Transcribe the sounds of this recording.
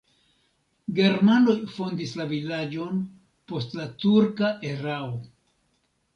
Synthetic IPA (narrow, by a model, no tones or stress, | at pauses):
ɡe̞ɾmano̞jfo̞ndislavilad͡ʒo̞n | po̞stlatuɾkaʔe̞ɾao